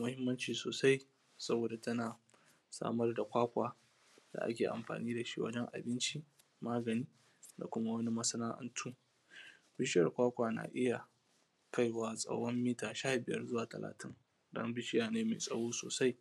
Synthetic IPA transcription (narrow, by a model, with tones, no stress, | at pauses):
mʊ˦hɪ˦mːɐ˦nt͡ʃiː˨soː˨sa˦j | sɐ˦boː˨da˨tɐ˦naː˨ | sa̰ː˦mɐ˦rda˨kʷaː˦kʷa̰ː˨ | d̥a̰˨ʔa̰˦kʲeː˨ʔa̰˨mɸa̰ː˨niː˦da˨ʃḭ˦wɐ̰˦d͡ʒɛ˦ŋʔa̰˨bɪ˦nt͡ʃi˦ | maː˦ɡɐ˨niː˦ | da̰˨kʷʊ˦ma˦wɐ˦ni˦mɐ˦sɐ˦naː˦ʔɐ̰˦ntʰuː˦ | bɪ˦ʃɪ˦jɐ˨rkʷaː˦kʷaː˨na̰ː˨ʔɪ˦ja˨ | ka˦jwaː˦sʼɐ̰˦wɽɔ˦mːiː˦taː˨ʃaː˦bɪ˨jɐ̰˦rzʊ˦waː˨tɐ̰˨lʔa̰ː˨tʰɪ˦ŋ | dɐ̰˦mbɪ˦ʃɪ˦jaː˨neː˦mḛː˨sʼɐ˦ɽoː˦soː˨sa˦j